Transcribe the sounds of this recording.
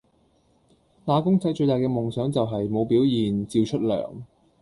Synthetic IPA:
t̪aː˨˥kʊ˥ŋt͡sɐ˨˥jt͡ʃɵ˧t̪aː˨jkɛː˧mʊ˨˩ŋsœː˨˥ŋt͡sɐ˨wɦɐ˨jmo˨˧wpiː˨˥wjiː˨nt͡siː˧wt͡ʃʰɵ˥t̚lœ̰ː˨˩ŋ

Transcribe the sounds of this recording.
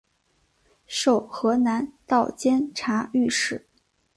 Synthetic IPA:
ʂo˥˩ʊxɤ˧˥na˧˥nt̪ɑ˥˩ʊt͡ɕjɛ˥nʈ͡ʂʰa˧˥y˥˧ʂɻ̩˥˩˦

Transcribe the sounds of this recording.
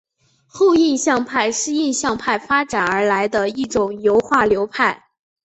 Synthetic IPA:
xo˥˧ʊi˥˧nɕjɑ˥˧ŋpʰa˥˧ɪʂɻ̩˥˧i˥˧nɕjɑ˥˧ŋpʰa˥˩ɪfa˥ʈ͡ʂa˨˩nə˞˧˥la˧˥ɪd̪ə˧i˥˩ʈ͡ʂʊ˨˩ŋjo˧˥ʊxwa˥˩ljo˧˥ʊpʰa˥˩ɪ

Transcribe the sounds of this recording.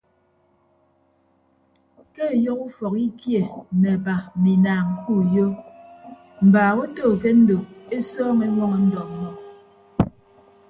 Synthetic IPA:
ke˦˨jɔ˦ku˦fɔ˨ki˦kje˨mɛ˨ba˨mi˨naː˨ŋ̩˨ku˦˨jo˦ | m̩˨baː˨wo˦toː˦˨k̬e˦n̩˦do˨e˦sɔː˦ŋe˦wɔ˦ŋɔ˨n̩˦dɔ˨˦mɔ˦

